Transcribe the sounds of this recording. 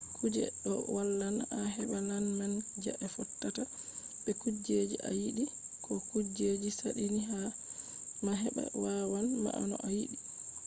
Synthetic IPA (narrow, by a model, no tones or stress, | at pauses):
kud͡ʒɛ̰ɗɔwalːanaɦɛɓananmand͡ʒa̰ʔɛfɔtːata | bɛkud͡ʒed͡ʒḭʔa̰jiɗi | kɔkud͡ʒed͡ʒisaɗiniɦa | maɦɛɓa̰wawanma̰ʔanɔ̰ʔajiɗi